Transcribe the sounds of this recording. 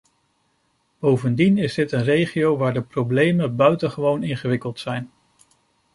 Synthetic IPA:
b̥owvəndinɪzdɪtənrejχiowʋaːɹdəprowblejməbœɥtəχəʋownɪnχəʋɪkəlˠtsɛjn

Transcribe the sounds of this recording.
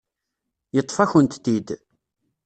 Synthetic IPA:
jət̪ˤːfæçənt̪t̪id̪

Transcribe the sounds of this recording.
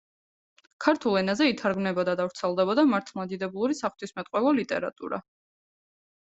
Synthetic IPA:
kʰaɾt̪ʰulˠɛnazɛit̪ʰaɾɡmnɛbɔd̪ad̪avɾt̪sʰɛlˠd̪ɛbɔd̪amaɾt̪ʰlˠmad̪id̪ɛbulˠuɾisaχt̪ʰismɛt̪ʼqʼwɛvˠɔlit̪ʼɛ̰ɾa̰t̪ʼṵɾa̰

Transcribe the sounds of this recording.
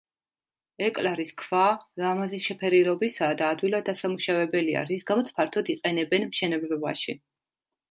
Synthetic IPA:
ɛkʼlaɾiskʰv̥alamazisʃɛpʰɛɾiɾɔbisaːd̪aːd̪wilˠad̪ːasamuʃavɛbɛlia̰ɾisɡamɔt̪sʰpʰaɾt̪ʰɔd̪iqʼɛnɛbɛnmʃɛnɛbɾɛba̰ʃi

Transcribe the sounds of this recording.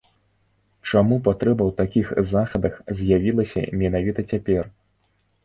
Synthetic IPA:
t͡ʂamupat̪ɾɛbɐwt̪akʲixzaxɐd̪ɐxzʲjavʲilˠɐsʲɐ̰mʲɛnavʲit̪ɐt͡sʲapʲɛr

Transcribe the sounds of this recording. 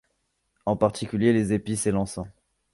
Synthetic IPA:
ɑ̃paʁt̪ikʲyljelezepiselɑ̃sɑ̃

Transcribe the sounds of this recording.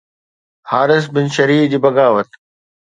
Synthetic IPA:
haːɾɪs̬bɪnʃɐɾiːfd͡ʑiːbɐɡaːʋət̪

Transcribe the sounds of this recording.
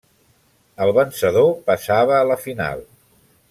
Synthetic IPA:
əlˠβənsəðopəsaβəːləfina̰lˠ

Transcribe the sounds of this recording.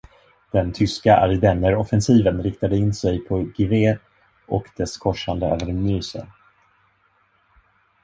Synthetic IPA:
d̪̥ɛnt̪ʰʏskaʔa̰ɾɪd̪ɛnːəɾɔfɛnsiːvənɾɪk̚t̪ad̪əɪnːsɛjpʰɔɡɪveː | ʔɔkd̪̥ɛskʰɔʂːand̪əø̰ːvəɾmyːsə̰n

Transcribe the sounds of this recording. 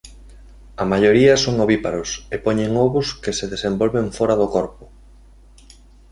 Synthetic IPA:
ɐmaʎoɾiɐsoŋoβipaɾʊsepɔɲẽŋɔβʊskeseðesembɔlβeɱfɔɾɐðʊkɔɾpʊ

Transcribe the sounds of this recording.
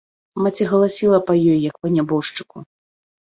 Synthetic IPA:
mat͡sʲiɣɐlˠasʲilˠɐpɐjɔjjɐkpɐnʲabɔʂt͡ʂɨ̥ku

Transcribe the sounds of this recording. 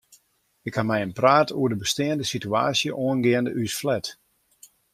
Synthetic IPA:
ɪkhamɛjənpraːtuədəbəstɪəndəsitya̰ːsjəʔoənɡɪəndəʔysflɛt

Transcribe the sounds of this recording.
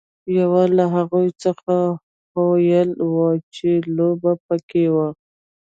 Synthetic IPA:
jawalaɦaɣujt͡səxa | hwajəlwət͡ʃelobapəkewa

